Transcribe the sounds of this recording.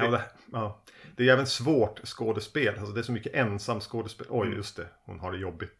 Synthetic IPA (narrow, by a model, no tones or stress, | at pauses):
d̪ɛɑːd̪̥ɛæjɛːvənsvoːʈskoːd̪əspeːlʔalsɔd̪ɛæʂɔmʏkːəʔɛnsamt̪skoːd̪əspeːlʔɔjjɵst̪ʰɛhʊ̰nɦaɖɛjɔbːɪt̪